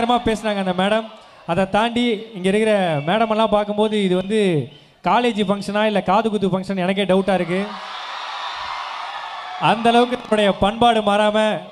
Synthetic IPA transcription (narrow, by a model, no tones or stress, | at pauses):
ɾɐmaːpeːsɐnaːŋɡɐnd̪ɐmeːɽɐm | ɐðɐt̪aːɳɖiɪŋɡɐɪɾɯkːɪɾɐmeːɽɐmɛlːãːpaːɾkɯmpoːðɯɪðɯʋɐnd̪ɯ | kaːleːd͡ʒɯfɐŋʂɐnaːɪlːɐkaːðɯkɯt̪̬ːɯfɐŋʂɐnɛnɐk̬ːeːɖɐʋʊʈːaːɪɾɯk̬ːɯ | ɐnd̪ɐlɐʋɯk̬ːɯnɐmːɯɽɐjɐpɐɳbaːɽɯmaːɾaːmɐ